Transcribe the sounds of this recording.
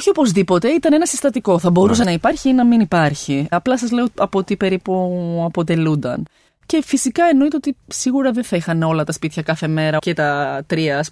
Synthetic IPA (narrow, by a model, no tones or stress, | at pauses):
oçiopo̞zðipo̞t̪e̞it̪ɐne̞nɐsist̪ɐt̪iko̞θɐbo̞ɾus̬ɐnɐipɐɾçiinɐminipɐɾçiɐplɐsɐzle̞oɐpot̪ipe̞ɾipuɐpo̞t̪e̞lund̪ɐ̰n | ce̞fisikɐeno̞it̪eot̪isiɣuɾɐðenθɐixɐneo̞lɐt̪ɐspit̪çɐkɐθe̞me̞ɾɐcet̪ɐt̪ɾiɐs